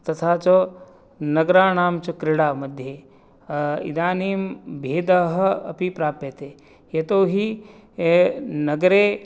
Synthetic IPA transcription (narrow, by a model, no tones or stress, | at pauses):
t̪ɐt̪ʰaːt͡ʃɐ | nɐɡɾaːnaːmt͡ʃɐkɾɪɽaːmɐd̪ʱje | ḭd̪aːniːmbʱeːd̪ɐɦɐ̆ɐ̰pipɾaːpjet̪eː | jet̪oːɦi | nɐɡɾeː